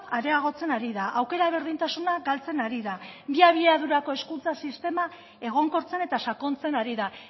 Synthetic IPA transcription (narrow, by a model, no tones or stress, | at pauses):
aɾe̞aɣ̞o̞t͡se̞naɾiðaʔawke̞ɾaβ̞e̞ɾð̞int̪asunaɡalt͡se̞naɾiðabiaβ̞ieaðuɾako̞e̞skunt͡sasist̪e̞ma | e̞ɣ̞o̞ŋko̞ɾt͡se̞ne̞t̪asako̞nt͡se̞naɾiða